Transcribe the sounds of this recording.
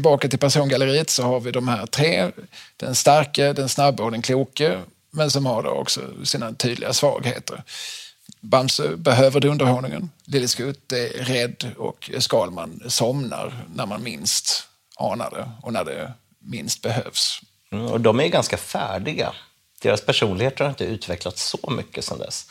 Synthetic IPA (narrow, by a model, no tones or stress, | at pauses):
ɪlbɑːkat̪ɪlpʰæʂuːnɡaləɾiːət̪sɔhaɾvɪd̪ɔmhæːɾt̪ʰɾeːd̪̥ɛnst̪aɾkəd̪ɛnsnabːaɔd̪ɛnkʰluːkə | mɛnsɔmhaɾɖo̰ɔ̰ksɔ̰siːnat̪ʰyːd̪lɪ̰ɡasvɑ̰ːɡhḛːt̪ʰə̰ɾ | bamsəbɛɦøːvəɾd̪ɛɵnd̪əɾhɔnɪŋə̰nlɪlːɪskɵt̪ːɛɾɾɛd̪ːɔ̰kskɑːlmansɔmna̰ɾnæɾmanmɪnst̪ | ʔɑːna̰d̪ə̰ɔnæɖɛ̰ | mɪnst̪̚bɛɦøːvs̩ | ɔ̰d̪ɔmæjɡanskafæːɖɪɡa̰ | d̪̥eːɾaspʰæʂuːnlɪɡheːt̪əɾhaɾɪnt̪əʉ̟ːt̪vɛklat̪sɔmʏkːəsɔmd̪ɛ̰s